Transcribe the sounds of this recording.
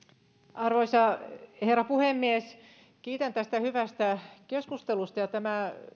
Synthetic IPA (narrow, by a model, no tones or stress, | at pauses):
ʔɑrʋoisɑherːɑpuhemːies | kiːt̪ænt̪æst̪æhyʋæst̪ækeskust̪elust̪ɑjɑt̪æmæ